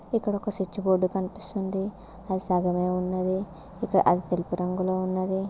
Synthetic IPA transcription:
ikːɐɽokːɐsut͡ʃːuboːɖːukɐnipi̥st̪und̪i | ɐd̪isaːɡɐmeːunːɐd̪i | ikːɐɽɐ̰ʔɐd̪it̪elipiɾɐŋɡuloːunːɐd̪i

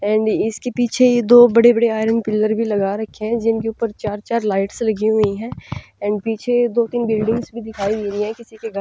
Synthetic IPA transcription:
ɛ̃ːɳɖɪskepiːt͡ʃʰeed̪oːbɐɽebɐɽeaːɪɾənpɪlːəɾbʱilɐɡaɾɐkʰːeɦɛ̃d͡ʒɪnkeuːpəɾt͡ʃaːɾt͡ʃaːɾlaːɪʈslɐɡiɦʊiɦɛ̃ɛ̃ːɳɖpiːt͡ʃʰed̪oːt̪iːnbɪlɖɪ̃ŋɡsbʱid̪ɪkʰaːid͡ʒeːlĩɛ̃kɪsikeɡa

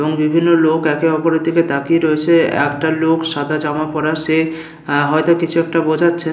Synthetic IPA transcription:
eboŋbibʱinːolokɛkeɔpoɾed̪ʱiket̪akiɾɔet͡ɕʰeɛ̰kʈalokʃad̪ʱad͡ʑamapɔɾaʃe | ɦɔjt̪okit͡ɕʰuɛk̚ʈabod͡ʑʱatːɕʰe

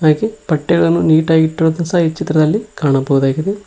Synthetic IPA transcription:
aːkepɐʈːeɡɐɭɐnːuniːʈaːɡiʈːiɾoːd̪insɐit͡ʃːit̪ɾɐd̪ɐlːikaːɳɐbɐwud̪aːɡid̪e

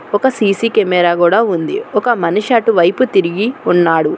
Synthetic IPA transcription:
ɔkɐsiːsikɛmɛːɾaːkuːɽaːund̪ḭɔkɐmɐnuʂaːʈuʋɐjput̪iɾiɡiunːaːɽu

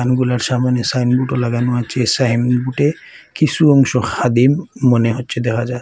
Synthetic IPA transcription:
anɡulaɾsamanesajnbuʈɔlaɡanuat͡ʃʰesajmbuʈe | kisuɔŋʃɔxad̪imːɔneɦotːʃʰed̪ɛkʰad͡ʒa

